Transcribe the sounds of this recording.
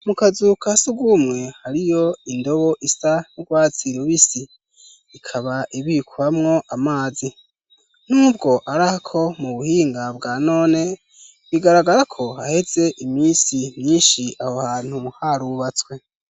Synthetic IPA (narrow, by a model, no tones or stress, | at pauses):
mukazukʰasuɡumŋe̞haɾijo̞indo̞βo̞ʔisanuɡwaːt͡siɾuβisiː | kʰaβaʔiβikʰuɾamŋo̞ʔamaːzi | n̥uːbɡo̞ʔaɾahakʰo̞muβuhiːŋɡabɡaːno̞ːne̞ | βiɡaɾaɡaɾakʰo̞hahe̞ze̞ʔimiːsimɲiːnʃiahohaːn̥humuhaɾuβat͡swe̞